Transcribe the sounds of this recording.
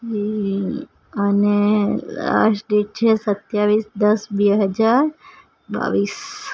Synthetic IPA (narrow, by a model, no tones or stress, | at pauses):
d͡ʒi | ənela̰sɖeʈ̚t͡ʃʰesət̪jaʋisd̪əsbɛɦəd͡ʒaɾ | ba̰ʋis